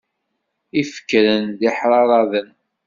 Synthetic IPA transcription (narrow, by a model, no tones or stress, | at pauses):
ifə̥kːɾənd̪iħɾˤɑɾˤɑðən